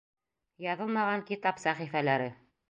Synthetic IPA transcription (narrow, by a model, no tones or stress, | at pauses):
jɑðɤlˠmɑʁɑŋkit̪ɑpsæχifælæɾɘ